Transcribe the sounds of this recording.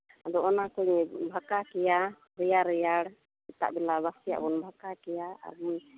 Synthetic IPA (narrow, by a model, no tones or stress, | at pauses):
ad̪ɔʔɔnakɔɲbʱakakɛja | ɾɛjaɾɛjaɽ | ɛt̪a̰ʔbɛlabasija̰ʔbɔnbʱakakɛjaa̰ɾbun